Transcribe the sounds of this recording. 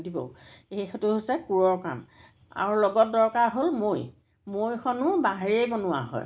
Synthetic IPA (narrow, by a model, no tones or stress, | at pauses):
dibɔ̰ejxɔtʊɦosɛkuɹɔɹka̰m | a̰ɹulɔɡɔt̚dɔɹkaɹɦolmoj | mojkʰɔnʊbaɦeɹejbɔnʊwa̰ɦɔ̰j